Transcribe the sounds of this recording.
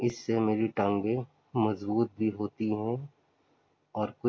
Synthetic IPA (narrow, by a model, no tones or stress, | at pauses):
ɪsːemeːɾiʈə̃ŋɡe | mɐzbuːt̪̚bʱiɦoːt̪iɦɛ̃ | ɔːɾkʊ